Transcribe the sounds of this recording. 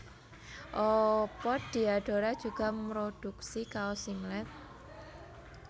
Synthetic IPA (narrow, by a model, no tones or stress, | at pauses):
ʔɔpɔd̪̥i̤aɖ̥o̤ɾad̥ʒ̥ṳɡ̥a̤mɾod̥uksikaosiŋlɛt̪̚